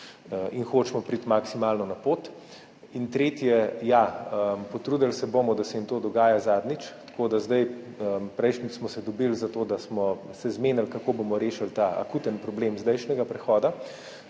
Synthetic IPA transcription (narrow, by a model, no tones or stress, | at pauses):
inxoːt͡ʃmɔpɾit̪maksimaːlnɔnapoːt̪ | int̪ɾeːt̪jɛjaəpɔt̪ɾuːd̪alsɛboːmɔd̪asɛimt̪oːd̪ɔɡaːjazaːd̪nit͡ʃt̪koːd̪azd̪aj | əpɾɛjʃnit͡ʃsmɔsɛd̪ɔbilzat̪oːd̪asmɔsɛzmeːnalkakoːbomɔɾeːʃalt̪aʔa̰kuːt̪ənpɾɔbleːmzd̪ɛjʃnɛɡapɾɛxɔːd̪a